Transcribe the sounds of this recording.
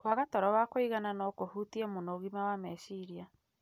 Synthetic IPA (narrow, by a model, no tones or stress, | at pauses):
kwaɣatɔɾɔwakoiɣananɔkohutiɛmonoɣimawamɛʃiɾia